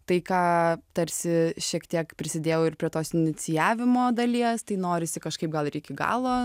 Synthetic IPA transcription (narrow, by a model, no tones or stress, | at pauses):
t̪ɐɪkɑːt̪ɐɾʲsʲɪʃʲiɛkt̪ʲiɛkpʲɾʲɪsʲɪd̪ʲeːjɛʊɪrpʲɾʲiɛt̪oːsɪnʲɪt͡ssʲɪjæːʋʲɪmoːd̪ɐlʲiɛst̪ɐɪnoːɾʲɪsʲɪkɐʃkɐɪp̚ɡɐlˠɾʲɛɪkʲɪɡɑ̰ːlˠoː